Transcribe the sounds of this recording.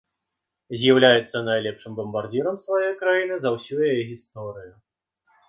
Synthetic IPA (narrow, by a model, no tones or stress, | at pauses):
zʲjawlʲajɛt̪sːɐnajlʲɛpʂɨmbɐmbard͡zʲiɾɐmsvajɔjkɾajinɨzɐwsʲujajɛɣʲist̪ɔɾɨju